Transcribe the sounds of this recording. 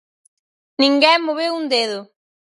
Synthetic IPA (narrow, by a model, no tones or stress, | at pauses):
nĩŋɡɛŋmːoβewund̪eðʊ